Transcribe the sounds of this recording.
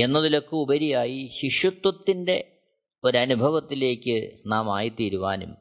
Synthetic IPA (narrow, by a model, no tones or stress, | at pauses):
e̞nːɐðilo̞kːɨubɐɾijaːjiɕiʂjɐt̪wɐt̪ːinde̞ | o̞ɾɐnubʱɐʋɐt̪ːile̞ːkʲːɨnaːmaːjit̪iːɾuʋa̰ːnṵm